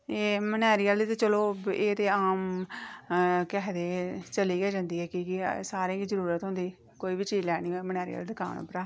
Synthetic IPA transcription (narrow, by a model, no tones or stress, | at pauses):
eːmənɛːɾijaːld̪iːt̪at͡ʃəloːeːt̪eːaːm | kɛːd̪eːt͡ʃəliːɡɛːd͡ʒãːnd̪iːɛːkikɪsaːɾẽːɡiːzəɾuːɾət̪ɦʊ̃nd̪iː | koːiːʋiːt͡ʃiːzlɛːniːomənɛːɾḭja̰ːlːd̪ɪkʰa̰ːño̰ːpɾaː